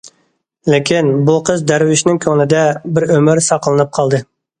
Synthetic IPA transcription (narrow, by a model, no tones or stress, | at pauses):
lɪkʲʰinbuqʰəzd̪æɾwyʃnɪŋkʲʰøŋnɪd̪ɛbɪɾømɪɾsɑqəlˠɨnɨp̚qʰɑlˠd̪ɨ